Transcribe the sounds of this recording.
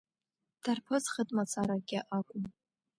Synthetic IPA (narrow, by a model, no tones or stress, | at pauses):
d̥arpʰozχətʼmat͡sʰaɾaɡʲɪʔakʷʼʊm